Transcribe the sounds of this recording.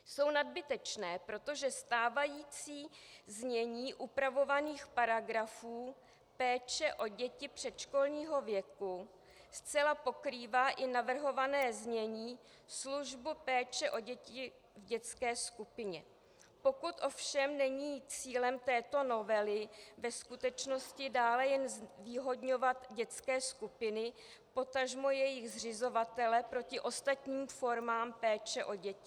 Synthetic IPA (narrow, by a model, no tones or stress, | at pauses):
so̞wnad̚bɪt̪ɛt͡ʃnɛːpɾo̞t̪o̞ʒɛst̪aːvajiːt͡siːzɲɛɲiːʔupɾavo̞vaniːxpaɾaɡɾafuː | pɛːt͡ʃɛʔo̞ɟɛcɪpr̝̥ɛt̪ʃko̞lɲiːɦo̞vjɛku | st͡sɛlapo̞kɾiːvaːʔɪnavr̩ɦo̞vanɛːzɲɛɲiː | sluʒbupɛːt͡ʃɛʔo̞ɟɛcɪ | vɟɛt͡skɛːskupɪɲɛ | po̞kut̪ʔo̞fʃɛmnɛɲiːt͡siːlɛmt̪ɛːt̪o̞no̞vɛlɪvɛskut̪ɛt͡ʃno̞scɪdaːlɛjɛnzviːɦo̞dɲo̞vat̪ɟɛt͡skɛːskupɪnɪ | po̞t̪aʒmo̞jɛjɪɣzr̝ɪzo̞vat̪ɛlɛpɾo̞cɪʔo̞st̪at̪ɲiːmfo̞ɾmaːmpɛːt͡ʃɛʔo̞ɟɛcɪ